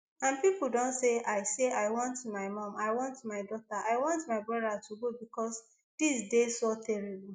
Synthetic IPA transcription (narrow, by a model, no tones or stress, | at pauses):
ãnpipl̩dõntseaɪseaɪwɔ̃ntmaɪmɔ̃maɪwɔ̃ntmaɪdɔtaʔaɪwɔ̃ntmaɪbɹɔdatʰuɡobikɔs | d̥isdesɔtɛɹib̩